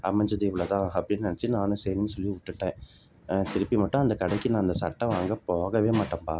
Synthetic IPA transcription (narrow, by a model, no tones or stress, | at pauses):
ɐ̰mɐɲd͡ʒɐd̪iːʋɪɭɐt̪ãːɐpːɐɽɪnːnɐnɐt͡ʃːɯnãːnɯ̃sɛjɾnɯsɔlːiʊʈːɯʈːẽː | t̪ɪɾɯpːimɐʈːʊ̃ɐnd̪ɐkɐɽɐɪkːɯnãːɪnd̪ɐsɐʈːɐ̃ʋaːŋɡɐpoːɣɐʋeːmaːʈːɐmpaː